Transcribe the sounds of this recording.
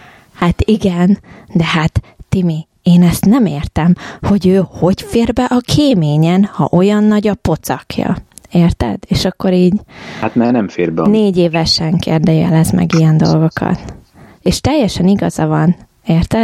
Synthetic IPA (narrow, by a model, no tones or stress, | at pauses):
hat̪iɡɛnd̪ɛɦat̪ːimi | eːnɛst̪nɛmeːrt̪ɛmho̞ɟøːho̞ɟfeːrbɛʔɒkʰeːmeːɲɛnhɒ̰ʔo̞jɒnːɒɟɒpo̞t̪sɒ̰kʰjɒ̰eːrt̪ɛ̰d̪eːʃɒkːo̞ɾiːɟhat̪nɛnɛmfeːrbɛneːɟeːvɛʃɛŋkḛːrd̪ɛjɛ̰lɛzmɛ̰ɡijɛnd̪o̞̰lɡo̞kʰɒ̰t̪ | eːʃt̪ɛjːɛʃɛniɡɒzɒvɒn | eːrt̪ɛ